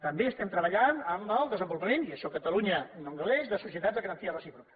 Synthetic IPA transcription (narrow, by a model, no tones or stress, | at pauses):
t̪əmbeəst̪ɛmt̪ɾəβəʎanəmmɔlˠd̪əzəmbulupəmẽniəʃɔkət̪əluɲənoŋɡəlɛzðəsusijət̪ad̪zðəɣɾənt̪iərəsipɾukə̥